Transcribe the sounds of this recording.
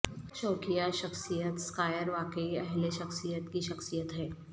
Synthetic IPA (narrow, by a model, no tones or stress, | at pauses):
ʃoːkijaʃɐxsijət̪skaːjəɾʋaːkəiɐɦleʃɐxsijət̪kiʃɐxsijət̪ɦɛː